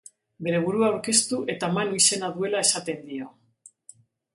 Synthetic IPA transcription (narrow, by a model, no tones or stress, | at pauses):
be̞ɾe̞β̞uɾuaːwɾke̞st̪uʔe̞t̪amanuise̞naðue̞lae̞sat̪e̞nd̪io